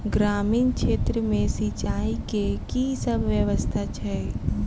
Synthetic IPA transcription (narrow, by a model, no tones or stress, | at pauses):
ɡɾaːmiːnkʃeːt̪ɾəmẽsit͡ʃaːikekisəbʱʋjəʋəst̪ʰat͡ʃʰɛ